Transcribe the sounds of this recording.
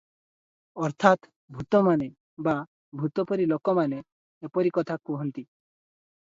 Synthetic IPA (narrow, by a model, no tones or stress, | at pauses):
ɔɾt̪ʰat̪ | bʱut̪ɔmane | ba | bʱut̪ɔpɔɾilokɔmaneː | pɔɾikɔt̪ʰakuɦɔnt̪i